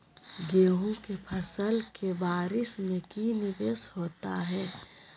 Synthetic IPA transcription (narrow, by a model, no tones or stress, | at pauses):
ɡeːɦõkepʰɐsəlkebaːɾɪsmẽkinɪʋeːshoːt̪aɦɛː